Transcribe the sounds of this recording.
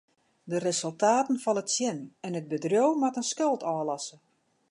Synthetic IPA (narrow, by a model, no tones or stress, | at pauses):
dəresɵlˠtaːtən̩fɔnətsjɛnɛnət̚bədrjowmatənskølˠtɔːlɑsə